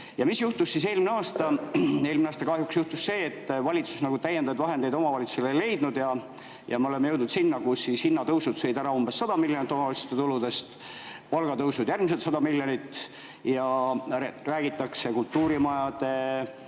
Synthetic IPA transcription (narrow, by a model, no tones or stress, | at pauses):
jɑmisjuht̪usːise̞ːlmneɑːst̪ɑe̞ːlmineɑːst̪ɑkɑɦjuksjuht̪usse̞ːt̪ːvɑlʲit̪su̥snɑɡut̪æjːend̪ɑjd̪vɑɦend̪e̞jd̪o̞mɑvɑlʲit̪su̥selejle̞jd̪nud̪jɑ | jɑmeole̞mejɤwd̪nut̪sinːɑkusːishinːɑt̪ɤwsud̪sɤjd̪æɾɑumbe̞sːɑd̪̥ɑmilʲjonit̪ːˑomɑvɑlse̥t̪et̪ulud̪̥e̞st̪ | pɑlɡ̥ɑt̪ɤwsud̪̥jærmis̬e̞lt̪sɑd̪ɑmiljonit̪ː | jɑ | ræːɡ̥it̪ːˑɑkse̞kult̪ːuːɾimɑjɑd̪̥e̞